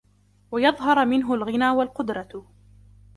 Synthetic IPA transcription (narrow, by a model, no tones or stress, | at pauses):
wajɑðˤɦɑɾˤmɪnɦʊlɣɪnaːwalqʊd̪ɾˤɑ